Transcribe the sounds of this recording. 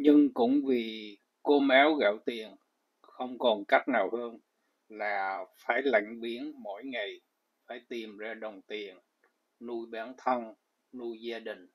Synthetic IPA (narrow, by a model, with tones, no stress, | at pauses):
ɲɨ˧ŋkʊ̰˧˥ŋ͡mvi˨˩ | ko˧maː˨˦wɣə̰˧˩wt̪i˨˩ən | xə˧wŋ͡mkɔ˨˩nka˦˥k̚naː˨˩whəː˧n | laː˨˩faː˧˩jla̰˧˨jŋ̟ɓi˨˦ənmo̰˧˥jŋa˨˩j | faː˧˩jt̪i˨˩mzaː˧ɗə˨˩wŋ͡mt̪i˨˩ən | nu˧jɓaː˨˦nt̪ʰə˧n | nu˧jzaː˧ɗï˨˩ŋ̟